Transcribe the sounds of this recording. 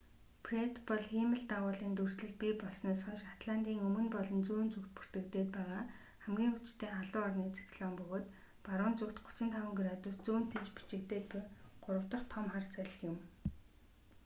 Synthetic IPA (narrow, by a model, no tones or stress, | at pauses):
pʰret̪pɔɮximə̆ɮt̪aʁʊːɮiːnt̪ursɮɘ̆ɮpipɔɮsnæːsχɔʃat̪ɮant̪iːŋɵmɵ̆npɔɮɞ̆nt͡suːnt͡sukt̪̚pu̥r̥t̪ɘ̆kt̪eːt̪̚pæːʁaː | χæmɡʲiːŋut͡ɕt̪ʰeːaɮʊːɔrniːt͡sʰi̥kɮɔːmpɵɣoːt̪ | paɾʊːnt͡sukt̪ɡʊ̥t͡ɕɪ̆nt̪ʰawə̆ŋɡrat̪ʊst͡suːn̥t̪ʰet͡ɕpi̥t͡ɕɪ̆kt̪eːt̪̚pʊɢ̥ʊɾə̆wt̪ɞ̆χt̪ʰɔmχarsæɮ̆xjɪ̆m